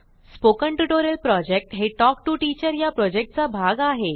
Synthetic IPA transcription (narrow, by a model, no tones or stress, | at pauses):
spokəɳʈuʈoɾəlpɾɔd͡ʑek̚ʈɦeʈɔk̚ʈuʈit͡ɕəɾjapɾɔd͡ʑek̚ʈ̚t͡sabʱaɡaɦe